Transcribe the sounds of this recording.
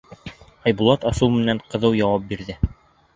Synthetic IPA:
ɑjbulˠɑt̪ɑsɤwmɘ̆næɴqɤ̆ðɤwjɑwɑp̚biɾðɘ

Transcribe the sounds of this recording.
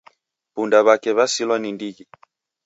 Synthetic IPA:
pundaβakɛβasilwanindiɣi

